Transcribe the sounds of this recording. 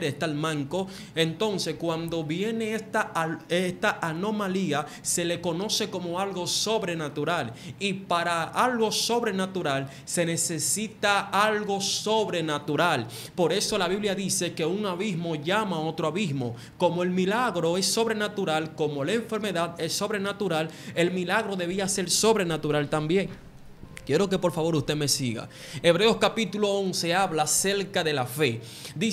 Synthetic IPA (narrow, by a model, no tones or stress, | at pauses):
ɾest̪almãŋko̞ | e̞nt̪o̞nse̞skwand̪o̞βje̞ne̞est̪aest̪aʔano̞malia | se̞le̞ko̞no̞se̞ko̞mo̞alɣo̞so̞βɾe̞nat̪uɾalipaɾaalɣo̞so̞βɾe̞nat̪uɾal | se̞ne̞se̞sit̪aalɣo̞so̞βɾe̞nat̪uɾal | po̞ɾe̞so̞laβiβljaðise̞ke̞uŋaβizmo̞ʝamao̞t̪ɾoaβizmo̞ | ko̞moe̞lmilaɣɾo̞e̞sːo̞βɾe̞nat̪uɾalko̞mo̞laeɱfe̞ɾme̞ðaðe̞sːo̞βɾe̞nat̪uɾale̞lmilaɣɾo̞ðe̞β̞iase̞ɾso̞βɾe̞nat̪uɾalt̪ambjeŋ | kje̞ɾo̞k̬e̞po̞ɾfaβo̞ɾust̪eme̞siɣa̰ | e̞βɾe̞o̞skapit̪ulo̞o̞nse̞aβlase̞ɾkaðe̞lafe̞ | d̪i